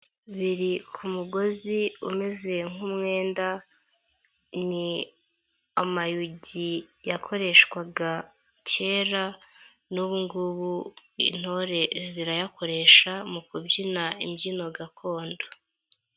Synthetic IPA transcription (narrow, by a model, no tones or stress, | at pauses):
βiɾikʰumuɡo̞ziume̞ze̞ŋumŋe̞ːnda | ni | amajuɟijakʰo̞ɾe̞ʃkwaɡa | ce̞ːɾa | nuβuŋɡuβuḭn̥hoɾe̞ziɾajako̞ɾe̞ʃamukubɟinaimɟino̞ɡakʰo̞ːndo